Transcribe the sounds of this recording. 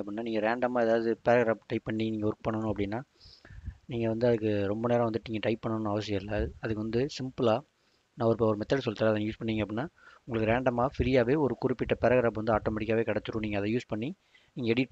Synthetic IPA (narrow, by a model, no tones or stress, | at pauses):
ɐpːɽɪnːaːniːŋɡɐɾeːɳɖɐmaːɛðaːðɯðɯpɛɾɐɣɾaːp̚ʈɐɪpːɐɳːiniːŋɡɐɔɾɯkɯpɐɳːɐnʊ̃ɐpːɐɽɪnːaː | niːŋɡɐʋɐnd̪ɯɐðɯkːɯɾɔmbɐneːɾɐ̃ʋɐnd̪ɯʈːniːŋɡɐʈɐɪpːɐɳːɐnʊ̃ɐʋɐsɪjɐ̃ɪlːɐɐðɯkːɯʋɐnd̪ɯsɪmpɯlaː | naːɔɾɯpoɔɾɯmɛt̪ːɐɽsɔlt̪ːaɾɐðɐnːjuːspɐɳːiːŋɡɐp̬ːɽɪnːaːʊŋɡɐɭɯkːɯɾeːɳɖɐmaːfɪɾɪjaːʋeːɔɾɯkʊɾɪpːɪʈːɐpɛɾɐɣɾaːpʋɐnd̪ɯaːʈːoːmɛʈɪkːaːʋeːkɐɽɛt͡ʃːɯɾũniːŋɡɐðɐ̃juːspɐɳːi | niːŋɡɐɛɽiʈː